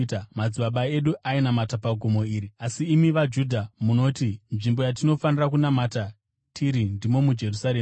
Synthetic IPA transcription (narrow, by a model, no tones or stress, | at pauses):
tamad͡ziɓaɓae̞ɗuʔainamatapaɡʱomo̞iːɾiasiːmiʋad͡ʒudʱamuno̞tinʐimbo̞jat̬ino̞fanirak̬unamata | tʰiɾindimo̞mud͡ʒe̞rusaɾe